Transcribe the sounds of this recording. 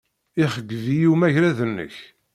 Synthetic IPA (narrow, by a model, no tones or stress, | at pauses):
ɪχəɡːvijumæʝɾæðənːə̰ç